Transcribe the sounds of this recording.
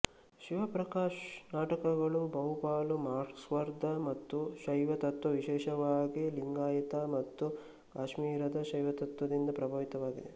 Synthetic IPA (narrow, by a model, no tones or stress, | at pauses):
ʃiʋɐpɾɐkaːʂnaːʈɐkɐɡɐɭubɐɦupaːlumaːsʋɐɾd̪ʱɐmɐt̪ːuʃɐjʋɐt̪ɐt̪ːʋɐʋiʃɛːʃɐʋaːɡiliŋɡaːjɐt̪ɐmɐt̪ːu | kaːʃmiːɾɐd̪ɐʃɐjʋɐt̪ɐt̪ʋɐd̪ind̪ɐpɾɐbʱɐːʋit̪ɐʋaːɡḭd̪e